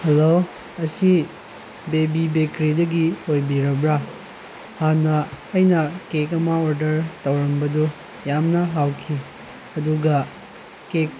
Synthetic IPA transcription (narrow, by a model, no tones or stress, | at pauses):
helo | ɐsi | bebibekɾidɐɡiojbiɾɐbɾa | hanɐhɐjnɐkekɐmaoɾdɐɾtɐwɾɐmbɐdu | jamnɐɦawkʰi | ɐduɡɐ | kek̚